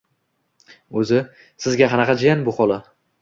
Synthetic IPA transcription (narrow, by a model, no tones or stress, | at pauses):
ɵzɪ | sɪzɡʲaqʰɑnɑqʰɑd͡ʒɪjanbʊχɒlˠa